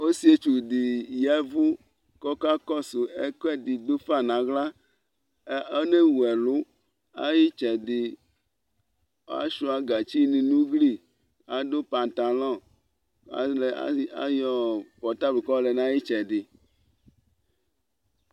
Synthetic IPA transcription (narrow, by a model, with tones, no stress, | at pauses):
o˦si˦e˦t͡ʃu˨di˨jɛ˦vʊ˦ | kɔ˦ka˦kɔ˦su˨e˦kɛ˦d̪i˨d̪o˦fa˦˨nã˨ɣla˦ | e˦ne˦wu˨ɛ˨lʊ˦ | a˦ji˦t͡ʃɛ˨d̪ɪ˨ | a̰˦ʃu˦a˨ɡa˨t͡ʃi˦nĩ˨nũ˦ɡli˦ | a˨d̪o˦pa˨nt̪a˨lɔ̃˦˨ | a̰˨le˨˦a˦jɔ˨pɔ˨t̪a˦bu˨kɔ˦le˨nã˦ji˦t͡ʃɛ˨dɪ˨